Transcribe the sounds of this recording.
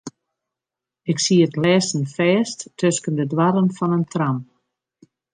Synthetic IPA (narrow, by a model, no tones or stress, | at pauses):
ɪksiətlɛːsən̩fɛːsttʰøskəndədwaɾənfɔnəntram